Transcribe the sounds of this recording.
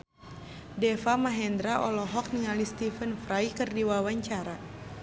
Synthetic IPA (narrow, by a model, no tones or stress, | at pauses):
dɛfamaɦɛnd̪ɾaʔɔlɔɦɔk̚niŋalist̪ifənfɾajkɨrdiwawaɲt͡ʃaɾa